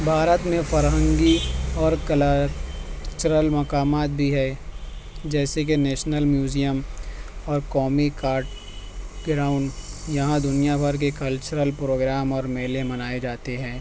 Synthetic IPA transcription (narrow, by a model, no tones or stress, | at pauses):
bʱaːɾət̪mẽfɐɾɦə̃ŋɡiɔːɾkəla | t͡ʃəɾəlmɐkaːmaːt̪̚bʱiɦɛː | d͡ʒɛːsek̬enɛːʃnəlmjuːd͡ʒijəmɔːɾkɔːmikaːɾʈ | ɡɾaːʊ̃ɳɖjɐɦãd̪ʊnijabʱɐɾk̬ekɐlt͡ʃəɾəlpɾoːɡɾaːmɔːɾmeːlemɐnaːed͡ʒaːt̪eɦɛ̃ː